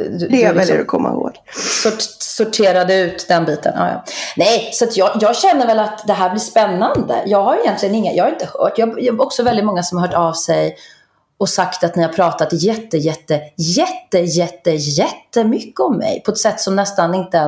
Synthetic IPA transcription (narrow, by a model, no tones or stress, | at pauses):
d̪ɛɛljə̰ɾɔ̰kʰɔ̰mːa̰ɪho̰ːɡ̥ | sʊsʊʈʰeːɾad̪əʉ̟ːt̪d̪ɛnbiːt̪ə̰nʔɑ̰ːjɑ̰ːnɛjsɔat̪jɑːjɑːɡɕɛnːəɾvɛlat̪d̪ɛɦæːɾblɪspɛnːand̪ə̰jɑːɡhaɾjɪjɛnt̪lɪɡənɪŋːajɑːhaɾɪnt̪əhœ̰ːʈjɑːɡjɔksɔvɛlɪt̪mɔŋːasɔmaɦœːʈavsɛj | ɔsakt̪at̪nɪɾhaɾpʰɾɑːt̪at̪jɛt̪ːəjɛt̪ːəjɛt̪ːəjɛt̪ːəjɛt̪ːəmʏkːəɔmːɛ̰jpʰɔɛt̪sɛt̪ːsɔmnɛst̪anɪnt̪ə